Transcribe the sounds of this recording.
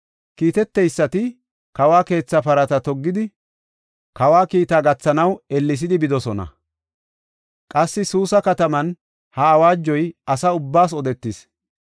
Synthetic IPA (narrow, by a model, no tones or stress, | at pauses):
kiːt̪ɛt̪ːɛjsːɐt̪ɪ | kɐwaːke̞ːt͡sːɐpɐɾɐt̪ɐt̪ɔɡːɪd̪ɪ | kɐwaːkiːt̪aːɡɐt͡sːɐnɐwɛlːɪs̬ɪd̪ɪbɪd̪ɔsɔnɐ̰ | kʼɐsːɪsuːsɐkɐt̪ɐmɐn | hɐːwaːd͡ʒːɔjɐsɐʊbːaːs̬ɔd̪ɛt̪ːɪs